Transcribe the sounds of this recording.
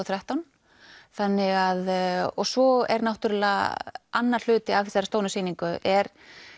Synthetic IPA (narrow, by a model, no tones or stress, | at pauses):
θɾaht̪awn | θanːɪɣaðɔɣsɔɛ̰ɾnawht̪ʏɾʏlaanːaɾ̥l̥ʏːt̪ɪavfθɛsaɾ̥st̪oːwnʏsiːniŋkʏʔɛɾ